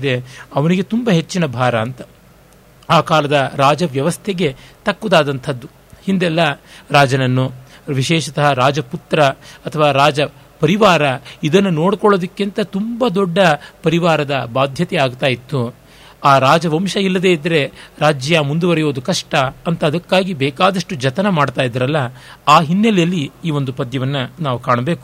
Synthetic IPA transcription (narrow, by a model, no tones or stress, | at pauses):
id̪eɐʋɐniɡe̞t̪umbɐɦe̞t͡ʃːinɐbʱaːɾɐːnt̪ɐ | aːkaːlɐd̪ɐɾaːd͡ʒɐʋjɐʋɐst̪ʰeɡe̞t̪ɐkːud̪aːd̪ɐnt̪ʰɐd̪ːu | hind̪ɛlːɐɾaːd͡ʒɐnɐnːuʋiʃɛːʃɐt̪ɐɦɐɾaːd͡ʒɐput̪ɾɐɐt̪ʰɐʋaːɾaːd͡ʒɐ | pɐɾiʋaːɾɐid̪ɐnːunoːɽkɔɭoːd̪ɐkːint̪ɐt̪umbɐd̪ɔɖːɐpɐɾiʋaːɾɐd̪ɐbaːd̪ʱjɐt̪ɛaːɡt̪aːjit̪ːu | aːɾaːd͡ʒɐʋɐmʃɐilːɐd̪e̞ːid̪ɐɾe̞ɾaːd͡ʒjɐmund̪uʋɐɾɛjo̞ːd̪ukɐʂʈɐɐnt̪ɐːd̪ɐkːaːɡibɛːkaːd̪ɐʂʈud͡ʒɐt̪ɐnɐmaːɽt̪aːjid̪ɐɾɐlːɐaːɦinːɐlɛjɐlːiːʋo̞nd̪upɐd̪jɐʋɐnːɐnaːʋukaːɳɐbeːku